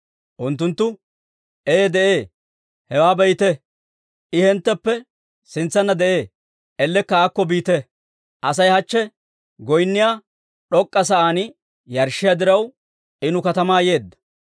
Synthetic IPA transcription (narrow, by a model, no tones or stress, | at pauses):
ʔʊnt̪ːʊnt̪ːʊ | ʔeːd̪ɛʔeː | hɛwaːbɛjt̪ɛ | ʔɪhɛnt̪ːɛpːɛ | sɪnt͡sːɐnːɐd̪ɛʔeː | ɛlːɛkːɐaːkːɔbiːt̪ɛ | ʔɐs̬ɐjhɐt͡ʃːɛ | ɡɔjnːɪjaː | ɗɔkʼːɐs̬ɐʔaːnɪ | jɐɾʃːɪjad̪ɪɾɐw | ɪnʊkɐt̪ɐmaːje̞ːd̪ːɐ̥